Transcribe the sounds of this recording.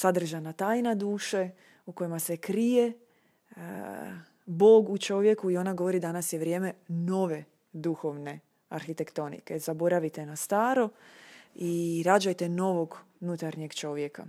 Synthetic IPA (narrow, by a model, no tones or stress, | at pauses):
sad̪r̩ʒanat̪aːjnad̪uːʃe | uko̞jimasekɾije̞ | bo̞ːɡut͡ʃo̞ʋje̞kuio̞naɡo̞ʋo̞ɾid̪anasjeʋɾje̞ːme̞no̞ʋe̞ | d̪uxo̞ʋne̞ | aɾxit̪e̞kt̪o̞nḭkezabo̞ɾaʋit̪e̞nast̪aːɾo̞ | iɾad͡ʒajt̪e̞no̞ʋo̞ɡ | unut̪aɾɲeɡt͡ʃo̞ʋje̞ka̰